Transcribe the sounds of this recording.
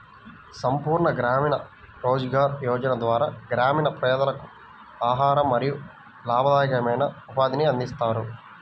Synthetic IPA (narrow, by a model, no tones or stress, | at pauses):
sɐmpuːɾɳɐɡɾaːminɐ | ɾoːd͡ʒɡaːɾjɔːd͡ʒɐnɐd̪ʋaːɾaːɡɾaːmiːnɐpɾɛːd̪ɐlɐku̥ | aːɦaːɾɐmːɐɾiju | laːbʱɐd̪aːjɐkɐmɐjnɐupaːd̪iniɐnd̪ist̪aːɾu